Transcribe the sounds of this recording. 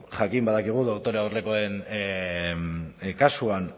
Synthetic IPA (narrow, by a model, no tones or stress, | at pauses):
ʝakimbaðakiɣ̞uðokt̪o̞ɾeawreko̞en | kasuan